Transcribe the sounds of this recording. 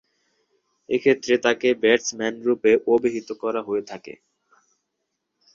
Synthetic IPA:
ekʰet̪ːɾet̪akebeɾsmɛnɾupeʔobeɦit̪okɔɾaɦoet̪ʰakḛ

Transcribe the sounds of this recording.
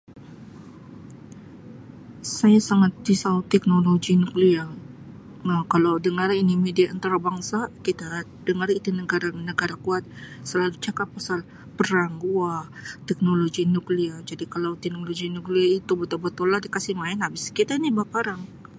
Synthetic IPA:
sajasaŋat̪̚disaut̪ɛk̚noloɡinuklia | nakalawdəŋərinimediaʔənt̪aɾabaŋsakit̪a | dəŋarit̪unəɡaɾanəɡaɾakuat̪̚səlalut͡ʃakapːasal | pəɾaŋɡuat̪ɛk̚noloɡinukliad͡ʒadikalawt̪ɛknoloɡinukliait̪ubət̪ubət̪ulːahdikasihmaɪnabɪskit̪ainibapaɾaŋ

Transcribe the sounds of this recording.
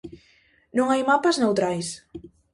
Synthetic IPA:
nuŋajmapaznawt̪ɾajs

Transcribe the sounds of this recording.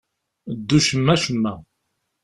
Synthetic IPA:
d̪ːuʃəmːæʃəmːæ

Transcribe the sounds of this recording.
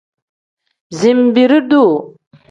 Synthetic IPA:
zimbiɾid̪u

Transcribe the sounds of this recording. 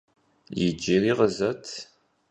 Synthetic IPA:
jid͡ʒːiɾiʁəzæt̪ʰ

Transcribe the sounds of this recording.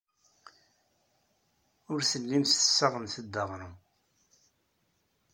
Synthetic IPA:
ʊɾθəlːimst̪ə̥sːəʁənθəd̪ːəʁɾu

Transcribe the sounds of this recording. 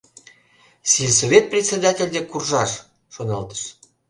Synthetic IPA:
silʲs̬oβʲet̪̚prʲet͡sʲed̪ɑtʲelʲd̪ekurʒɑʃ | ʃonɑlt̪ə̥ʃ

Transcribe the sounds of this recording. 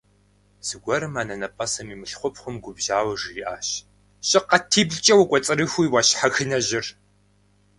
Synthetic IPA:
z̥ɨɡʷɐɾɨmaːnɐnɐpʼɐsɐmiːmɨɬχʷʊpχʷʊmɡʷʊbʒaːwɐʐriʔaːɕ | ɕʼɪqɐtʰiːbɮt͡ʃʼɐwɐkʷʼɔt͡sʼɨɾɨxʷujwaɕħaxɨnɐʑɪr

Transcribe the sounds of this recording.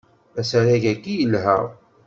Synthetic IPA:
æsæɾæʝækːijəlːɦæ̰

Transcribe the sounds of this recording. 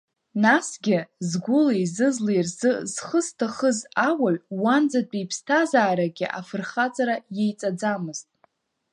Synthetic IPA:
nasɡʲɪzɡʷʊlejzɨzlejrzɨz̥χəstʰaχəzawaɥwand͡zat͡pʼijpʰstʰazaːɾaɡʲɪʔa̰fɨrχat͡sʼaɾajejt͡sʼad͡zamɨztʼ

